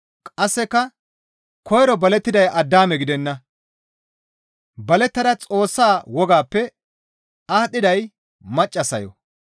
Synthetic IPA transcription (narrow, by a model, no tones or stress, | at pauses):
kʼɐsːɛkːɐ | kɔjɾɔbɐlɛt̪ːɪd̪ɐjɐd̪ːaːmɛɡɪd̪ɛnːɐ | bɐlɛt̪ːɐd̪ɐt͡sʼo̞ːsːaːwɔɡaːpːɛ | aːt̪ːɪd̪ɐj | mɐt͡ʃʼːɐsɐjɔ̰